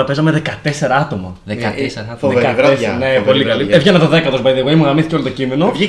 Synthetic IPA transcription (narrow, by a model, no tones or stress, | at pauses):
ɐpezɐmeðekɐt̪e̞se̞ɾɐɐt̪o̞mɐ | ðeɐsðekɐenepolikɐlievʝenɐt̪oðekɐt̪osbɐiðeɣoimuɣɐmiθi̥ceo̞lit̪o̞cimeno̞vi